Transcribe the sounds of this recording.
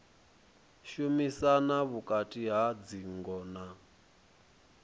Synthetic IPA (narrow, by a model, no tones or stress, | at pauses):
ʃumisanaβukʼatʼiɦad͡ziŋɡɔna